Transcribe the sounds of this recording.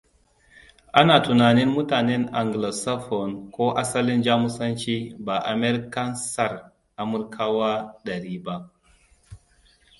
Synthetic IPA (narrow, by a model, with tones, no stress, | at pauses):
ʔa˦naː˨tu˨naː˨nɪ˦nmu˦taː˨nɛ˦na˨ŋɡla˨sa˦fɔ˨nkʷo˦ʔa˦sɐ˦li˦nd͡ʒa˦mu˦sɐ˦nt͡ʃi˦ba˨ʔa˨mɛ˦ɾka˦nsa˨ɾ | ʔa˨mu˦ɾkʰa˦wa˦ɗɐ˨ɾiː˦ba˦